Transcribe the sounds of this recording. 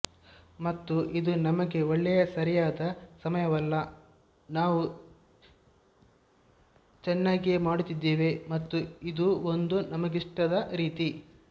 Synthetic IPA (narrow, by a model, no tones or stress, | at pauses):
mɐt̪ːuʔid̪unɐmɐɡe̞oɭːɛjɐsɐɾijaːd̪ɐsɐmɐjɐʋɐlːɐ | naːʋu | t͡ʃɛnːaːɡiemaːɽut̪id̪ːeːʋe̞mɐt̪ːuid̪uond̪unɐmɐɡiʂʈɐd̪ɐɾiːt̪i